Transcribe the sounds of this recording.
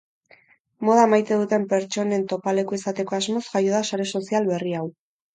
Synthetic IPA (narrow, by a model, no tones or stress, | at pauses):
mo̞ð̞aemajt̪e̞ðut̪e̞mpe̞ɾt͡ʃo̞ne̞nt̪o̞pale̞koisat̪e̞ko̞azmo̞sʝajo̞ðasaɾe̞so̞sialβe̞riaw